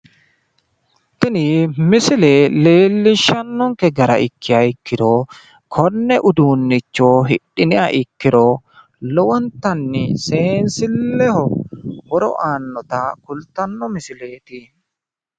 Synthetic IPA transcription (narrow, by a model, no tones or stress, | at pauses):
t̪ɪnɪmɪsɪleːle̞ːlːɪʃːɐnːɔŋkɛɡɐɾɐ̰ʔɪkːɪjɐɪkːɪd̪oː | kʰɔnːɛʔʊd̪uːnːɪt͡ʃːoːɦɪɗːɪnɪʔɐʔɪkːɪɾoː | lɔwɔnt̪ɐnːɪse̞ːnsɪlːɛhɔhɔɾɔ̰ʔaːnːɔt̪akʊlt̪ɐnːɔmɪsɪle̞ːt̪i